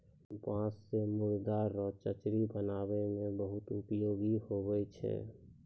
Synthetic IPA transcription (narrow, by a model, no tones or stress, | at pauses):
bãːssemʊɾd̪aɾːɔt͡ʃət͡ʃɾibənaːbemẽbəɦʊt̪ʊpjoːɡihobɛjt͡ʃʰɛ̰